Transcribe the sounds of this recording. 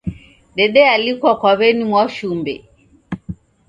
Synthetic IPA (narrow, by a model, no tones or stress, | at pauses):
ɗɛɗɛalikwakwaβɛnimwaʃumbɛ̰